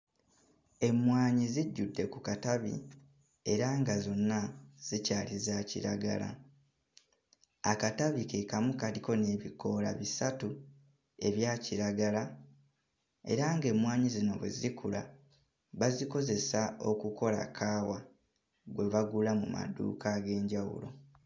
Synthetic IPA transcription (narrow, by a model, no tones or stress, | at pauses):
e̞mwaːɲiziɟːudːe̞kukataβḭ | e̞ɾaŋɡazo̞nːaz̥icaːlizacḭɾaɡa̰la̰ | akataβikeːkamukaliko̞ne̞ːβiko̞ːla̰βisatu | e̞βjaːciɾaɡala | e̞̰ɾaŋɡe̞mwaːɲizino̞βwe̞̰ziikula̰ | βaziko̞ze̞sao̞kuko̞la̰kʰaːwa | ɡwe̞βaɡulamuma̰dṵkaɡe̞ːɲɟawṵlo̞̰